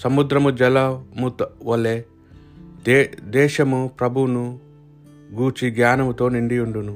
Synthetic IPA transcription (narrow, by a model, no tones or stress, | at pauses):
sɐmud̪ɾɐmud͡ʒɐlɐmut̪ʋɐlːe | d̪ɛːʃɐmupɾɐbʱunu | ɡuːt͡ʃiɡjaːnɐmut̪o̞ːniɳɖiuɳɖunu